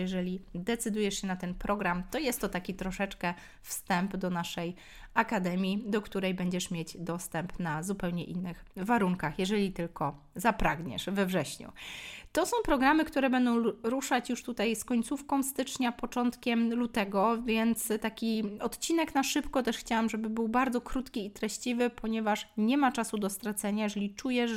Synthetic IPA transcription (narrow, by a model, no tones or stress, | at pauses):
jɛʐɛlʲid̪ɛt̪sɘd̪ujɛʂɕɛnat̪ɛnpɾɔɡɾamt̪ɔjɛst̪ːɔt̪akʲit̪ɾɔʂɛt͡ʂkɛ | fst̪ɛmpd̪ɔnaʂɛj | akad̪ɛmʲjid̪ɔkt̪uɾɛjbɛɲd͡ʑɛʂmʲjed͡ʑd̪ɔst̪ɛmpnazupɛwɲɛʔinːɘxvaɾuŋkaxjɛʐɛlʲit̪ɘlkɔ | zapɾaɡɲɛ̰ʂvɛvʐɛɕɲṵt̪ɔsɔ̃w̃pɾɔɡɾamɘkt̪uɾɛbɛnd̪ɔ̃w̃ɾuʂat͡ɕjuʂt̪ut̪ajskɔɲt̪sufkɔ̃w̃st̪ɘt͡ʂɲapɔt͡ʂɔnt̪kʲɛmlut̪ɛɡɔvʲjɛnt̪st̪akʲiɔt̪t͡ɕinɛknaʂɘpkɔt̪ɛʂxt͡ɕawamʐɛbɘbɘwbaɾd̪zɔkɾut̪kʲiːt̪ɾɛɕt͡ɕivɘpʰɔɲɛvaʂɲɛmat͡ʂasud̪ɔst̪ɾat̪sɛɲajɛʐɛlʲit͡ʂujɛ